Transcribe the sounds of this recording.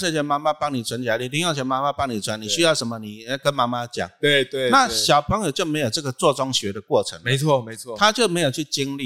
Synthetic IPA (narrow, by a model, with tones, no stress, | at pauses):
ʂə˥˩t͡ɕʰjɛ˧˦nma˥ma˦pɑ˦˥ŋni˨˩t͡sʰwa˧˦nt͡ɕja˨˦li˥˩˦t̪i˥ŋjo˥˩ŋt͡ɕʰɛ˧˦nma˦˥ma˦pɑ˦˥ŋni˨˩t͡sʰwa˨˦ni˨˩ɕy˦jɑ˥˩ʊʂə˧˦nmə˧ni˨˩˦kə˦nma˥ma˦t͡ɕja̰˨˩˦t̪we˥˩t̪we˥˧na˥˨ɕjɑ˨˩ʊpʰɤ˧˦˥ŋjo˨ʊt͡ɕjo˥˩ʊme˧˥ɪjo˨˩ʊt͡sɤ˥˩ɡə˨t͡swɔ˥˨t͡sɔ˦ŋɕɥɛ˧˦d̪ə˨kwɔ˥˩ʈ͡ʂʰə̰˧˦ŋme˧˦t͡sʰwɔ˥˨me˧˦ɪt͡sʰwɔ˥˨t̪ʰa˦t͡ɕjo˥˩ʊme˧˥jt͡ɕʰy˥˩t͡ɕi˦ŋli˥˨